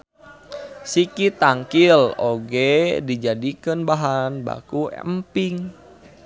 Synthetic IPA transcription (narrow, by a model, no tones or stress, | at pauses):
sikit̪aŋkiloɡɛdid͡ʒadikənbaɦanba̰kṵmpiŋ